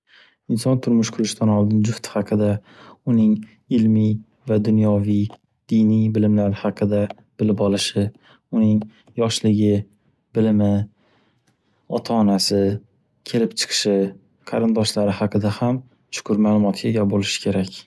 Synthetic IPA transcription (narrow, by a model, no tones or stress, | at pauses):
ɪnsɒnt̪ʰʊɾmʊʃkʰʊɾɪʃt̪ʰanɒlˠd̪ɪnd͡ʒʊht̪ʰɪ̥hɑqʰɨd̪a | ʊnɪŋ | ɪlmij | vad̪ʊnjɒvij | d̪ɪjnijbɪlɪmlaɾɪhɑqʰɨd̪a | b̥ɪlɪpɒlˠɪʃɪ | ʊnɪŋ | jɒʃlɪɡʲɪ | bɪlɪmɪ | ɒt̪ʰaːnasɪ | kʲʰe̞lɪpt͡ʃʰɨ̥qʰɨ̥ʃɪ | qʰɑɾɪnd̪ɒʃlaɾɪhɑqʰɨd̪aham | t͡ʃʰʊ̥kʰʊɾmaːlˠʊmɒt̪ɡʲaɡʲabolɪʃɪ̥kʲʰe̞ɾakʲ